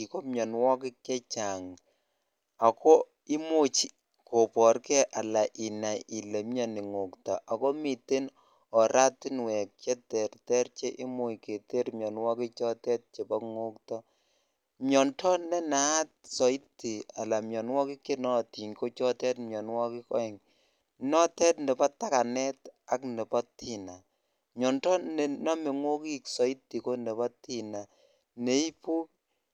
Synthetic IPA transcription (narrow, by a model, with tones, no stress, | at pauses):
i˨ko˦mjɔ˨nwɔ˦kɪ˦kːɛ˦t͡ʃa˨ŋ | a˨kɔ˦ | i˦mo˦t͡ʃi˨ | ko˨pɔ˨ɾkɛ˦ʔa˨la˨ʔi˨na˨i˨le˨mjɔ˦ni˨ŋo˨ktɔ˨ʔa˨ko˦mi˨te˦n | ɔ˨ɾa˦tɪ˦nwɛ˨k̚t͡ʃɛ˦tɛ˨rtɛ˦ɾt͡ʃe˦ʔi˦mo˦jke˨te˦ɾmjɔ˨nwɔ˦ki˦t͡ʃɔ˦tɛ˦t̚t͡ʃe˨ba˦ŋo˦ktɔ˦ | mjɔ˨ntɔ˦nɛ˦na˨a˦t̚sɔ˨i˦tːi˨a˨la˨mjɔ˨nwɔ˦ki˦ke˦nɔ˦˨ti˨ɲko˦t͡ʃɔ˦tɛ˦tmjɔ˨nwɔ˦kɪ˦kɔ̰˦ɛ˨ŋ | nɔ˦tɛ˦tnɛ˨pɔ˦tːa˦ka˨nɛ˦ta˦knɛ˨pɔ˦tʰi˨na˨ | mɲɔ˨ntɔ˦nɛ˨nɔ˦me˨ŋo˦ki˦ksɔ˨i˦tːi˨ko˦nɛ˨pɔ˦ti˨na˨ | ne˨˦i˦pu˦k̚